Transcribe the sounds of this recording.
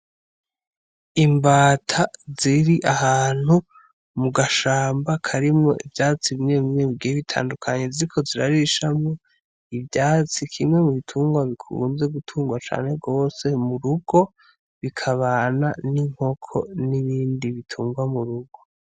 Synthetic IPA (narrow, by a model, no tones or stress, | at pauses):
imbaːtʰaziɾiʔahaːn̥hu | muɡaʃaːmbakʰaɾimŋo̞̰ʔivɟaːt͡siβime̞βimeβiɡijeβitʰa̰ːndukʰaɲe̞ziɾikʰo̞ziɾaɾiʃamŋo | ivjaːt͡sikʰimŋe̞muβitʰuːŋɡwaβikʰṵnze̞ɡutʰuːŋɡwat͡ʃa̰ːne̞ɡo̞ːse̞muɾuɡo̞ | βikʰaβaːnaniŋ̥ho̞kʰo̞̰niβiːndiβitʰuːŋɡwamuɾuɡo̞